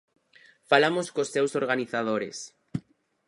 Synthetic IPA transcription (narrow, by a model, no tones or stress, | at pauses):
falamoskosːewsoɾɣaniθað̞oɾḛs